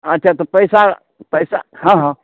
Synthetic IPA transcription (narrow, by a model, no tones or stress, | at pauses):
ətːʃʰat̪opəjsa | pəjsa̰ɦãɦã